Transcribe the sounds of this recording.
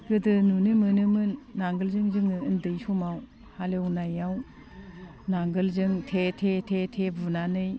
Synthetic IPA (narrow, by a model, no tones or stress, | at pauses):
ɡɯdɯnunɯmɯnɯmɯnːaŋɡɯlzɯŋzɯŋɯːndɯjsumaw | halewnajaw | naŋɡɯlzɯŋtʰetʰetʰetʰebunanɯj